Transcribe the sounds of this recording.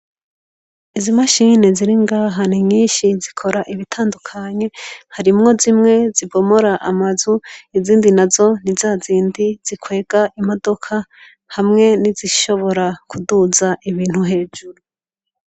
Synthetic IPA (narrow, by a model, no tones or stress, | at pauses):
izimaʃiːne̞ziɾiŋɡaːɦaniɲiːnʃizikʰo̞ɾaʔiβitʰaːndukʰaɲe̞haɾimŋo̞zimŋe̞zibo̞moɾaʔamazuiziːndinazo̞nizaːziːndiz̥ikwe̞ːɡ̥aʔimo̞do̞kʰa | hamŋe̞niziʃo̞βo̞ɾakuduzaʔiβiːn̥huɦe̞ːd͡ʒuɾu